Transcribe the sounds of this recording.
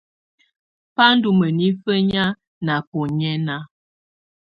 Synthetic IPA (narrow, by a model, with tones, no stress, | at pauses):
pa˦n̩˦du˨mə˨ni˦fə˦ɲa˦ | na˨pɔ˨ɲɛ˦na˦